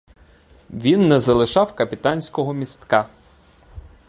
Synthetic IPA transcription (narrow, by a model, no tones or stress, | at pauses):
ʋʲinːɛzɐlˠɪʃɑwkɐpʲit̪ɑnʲsʲkɔɦɔmʲist̪kɑ